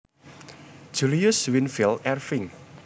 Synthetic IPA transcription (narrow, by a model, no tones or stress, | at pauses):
d̥ʒ̥uliʊswɪnfɪlɛrfɪŋ